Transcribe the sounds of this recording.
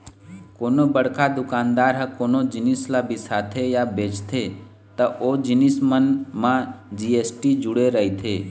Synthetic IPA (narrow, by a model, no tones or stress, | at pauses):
koːnobəɽkad̪ʊkãːnd̪aːɾɦəkoːnod͡ʒɪnislabʱisat̪ʰejabeːt͡ʃt̪ʰe | t̪əʔod͡ʒɪnismənmãd͡ʒieːsʈid͡ʒʊɽeɾəɦit̪ʰeː